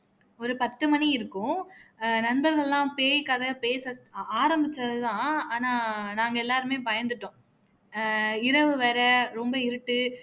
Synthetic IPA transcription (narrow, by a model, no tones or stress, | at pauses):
ɔɾɯpɐt̪ːɯmɐniɪɾɯkːʊ̃ | nɐnbɐɾɣɐɭɛlãːpeːjkɐðɐpeːsɐaːɾɐmbɪt͡ʃːɐðɐt̪ãːaːnaːnaːŋɡɐɛlːaːɾɯmeːpɐjɐnd̪ɯʈːõː | ɪɾɐʋɯʋɛːɾɐɾɔmbɐɪɾɯʈːɯ